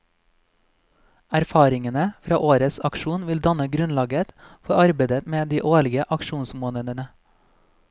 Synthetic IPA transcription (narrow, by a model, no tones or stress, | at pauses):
æɾfɑːɾɪŋənəfɾɑːʔoːɾəsɑkʃuːnʋɪld̪ɑnəɡɾʉnlɑːɡət̪fɔɾɑɾbed̪ət̪meːd̪iːʔoːɭɪɡəʔɑkʃuːnsmoːnəd̪ənə